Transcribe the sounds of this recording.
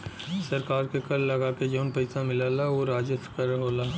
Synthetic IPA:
sɐɾkaːɾkekɐlːɐɡaːked͡ʒoːnpɐɪsamɪlaːlaoɾaːd͡ʒɪt̪kɐɾɦoːlaː

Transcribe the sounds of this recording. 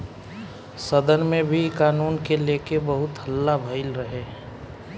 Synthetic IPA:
səd̪ənmẽbʱikaːnuːnkeleːkebəɦʊt̪ɦəlːabʱəɪlɾəɦe

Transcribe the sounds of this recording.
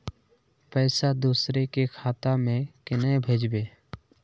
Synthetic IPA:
pɛːsad̪uːsɾekekʰaːt̪amẽkɪnəbʱeːd͡ʒbeː

